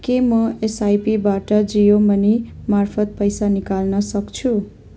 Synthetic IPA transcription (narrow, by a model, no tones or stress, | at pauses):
kemʌesajpibaʈʌd͡zijomʌnimarpʰʌt̪̚pʌjsanikalnʌsʌkt͡sʰu